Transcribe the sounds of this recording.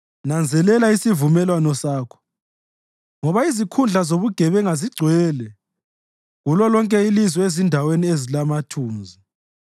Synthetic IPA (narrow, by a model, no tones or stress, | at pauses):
nand͡zʱɛlɛlaisivumɛlwanɔsaːkʰɔ̥ | ŋɔβaizikʰund͡ɮʱazoβuɡ̥ʱɛβɛŋaziɡ͡ǀʱwɛːlɛ | ɣulɔlɔŋkʼɛilizɔezindʱaweniezilamatʰuːnzi